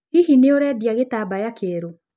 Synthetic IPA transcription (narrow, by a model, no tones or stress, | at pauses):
hihineoɾɛdjaɣetabajakeɾo